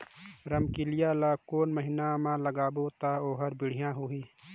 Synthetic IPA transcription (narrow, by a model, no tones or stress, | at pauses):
ɾəmkilɪjaːlaːkoːnməɦɪnamãːləɡaːboːt̪aːoːɦəɾbɪɽ̤ijãːɦuɦiː